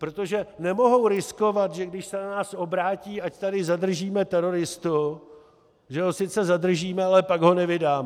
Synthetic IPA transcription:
pɾot̪o̞ʒɛnɛmo̞ɦo̞wɾɪsko̞vat̪ʒɛɡdɪʃsɛnanaːsʔo̞bɾaːciːʔact̪adɪzad̪r̩ʒiːmɛt̪ɛɾo̞ɾɪst̪u | ʒɛɦosɪt͡sɛzadr̩ʒiːmɛalɛpaɡɦonɛvɪdaːmɛ

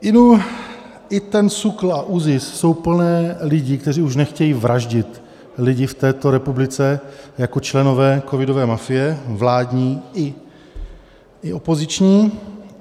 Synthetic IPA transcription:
ɪnu | ʔɪt̪ɛnsukl̩aʔuzɪsso̞wpl̩nɛːlɪɟɪkt̪ɛr̝iːuʃnɛxcɛjiːvɾaʒɟɪt̪ | lɪɟɪft̪ɛːt̪o̞ɾɛpublɪt͡sɛjako̞t͡ʃlɛno̞vɛːko̞vɪdo̞vɛːmafɪjɛvlaːdɲiːɪ | ɪʔo̞po̞zɪt͡ʃɲiː

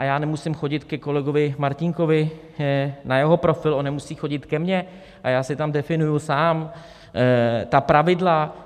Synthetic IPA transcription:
ʔajaːnɛmusɪmxo̞ɟɪt̪kɛko̞lɛɡo̞vɪmaɾcɪŋko̞vɪ | najɛɦo̞pɾo̞fɪlʔonːɛmusiːxo̞ɟɪt̪kɛmɲɛ | ʔajaːsɪt̪amdɛfɪnujusaːm | t̪apɾavɪdla

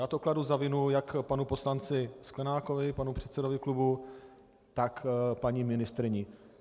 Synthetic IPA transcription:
jaːt̪okladuzavɪnujakpanupo̞slant͡sɪsklɛnaːko̞vɪpanupr̥ɛt̪sɛdo̞vɪklubu | t̪akpaɲimɪnɪst̪ɾɪɲɪ

